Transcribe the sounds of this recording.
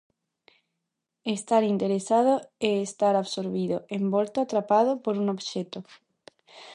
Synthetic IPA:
est̪aɾint̪eɾesað̞oeːst̪aɾaβsoɾβiðoembolt̪oat̪ɾapað̞opoɾuŋoβʃɛt̪o

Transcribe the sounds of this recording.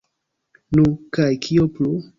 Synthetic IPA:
nukajkʰioplu

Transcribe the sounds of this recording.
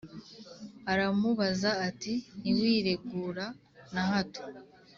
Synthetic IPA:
aɾamuβazaːtiniwiːɾe̞ɡuːɾa | naɦato̥

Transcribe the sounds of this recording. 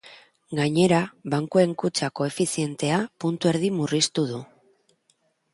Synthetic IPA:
ɡaɲe̞ɾaβaŋkue̞ŋkut͡sako̞e̞fisie̞nt̪e̞apunt̪ue̞ɾðimurist̪uð̞u

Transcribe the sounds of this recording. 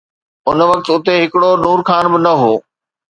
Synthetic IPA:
ʊnʋɐk̚t̪ʊt̪eɦɪkɪɽonuːɾkʰaːnbɪnɐɦoː

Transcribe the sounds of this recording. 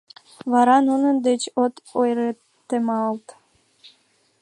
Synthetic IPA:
βɑɾɑnunənd̪et͡ɕot̪ojɾe | t̪ːemɑəlt̪

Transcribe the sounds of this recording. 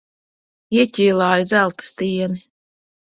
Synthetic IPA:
iɛtʲiːlˠɑːjizælˠt̪ɨ̥st̪iɛni

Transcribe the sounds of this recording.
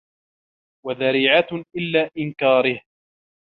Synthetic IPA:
waðaɾiːʕaʔɪlːaːʔɪnkaːɾɪh

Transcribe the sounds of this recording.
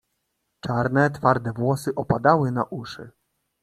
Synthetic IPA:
t͡ʂaɾnɛt̪faɾd̪ɛvwɔsɘʔɔpad̪awɘnaʔuʂɘ̰

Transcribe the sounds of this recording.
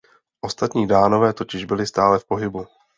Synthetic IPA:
ʔo̞st̪at̪ɲiːdaːno̞vɛːt̪o̞cɪʒbɪlɪst̪aːlɛfpo̞ɦɪbu

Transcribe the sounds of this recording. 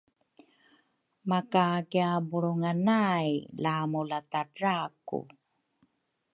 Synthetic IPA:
makakiabuɭuŋanajlamulatadɾakṵ

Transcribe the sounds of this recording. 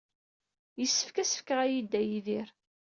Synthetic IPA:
jəsːə̥fkæsə̥fkəʁæjid̪ːæjiðiɾ

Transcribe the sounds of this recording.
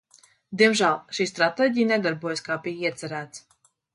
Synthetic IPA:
d̪iɛmʒæːlˠʃiːst̪ɾat̪ɛːɟijnɛd̪aɾbuɔjaskaːpijiɛt̪sæɾæːt̪s

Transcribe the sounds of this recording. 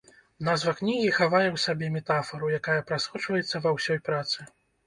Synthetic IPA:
nazvɐknʲiɣʲixavajɛwsabʲɛmʲɛt̪afɐɾujakajɐpɾasxɔt͡ʂvɐjɛt̪sːɐvawsʲɔjpɾat̪sɨ

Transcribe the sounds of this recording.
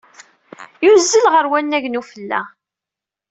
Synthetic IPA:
juzːəlʁəɾwænːæʝnufəlːæ̰

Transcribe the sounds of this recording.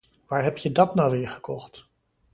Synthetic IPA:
ʋaːɹɦɛpjədɑtnawʋɪːɹχəkɔχt

